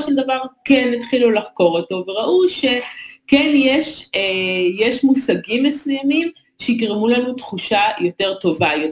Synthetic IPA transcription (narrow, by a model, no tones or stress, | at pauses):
ʃeld̪avaʁkenːet̪χilulaχko̞ʁoto̞veʁaʔuʃe̞kenjeʃejeʃmusaɡimːesujamim | ʃeiɡʁemulanutχuʃajo̞te̞ʁto̞vajo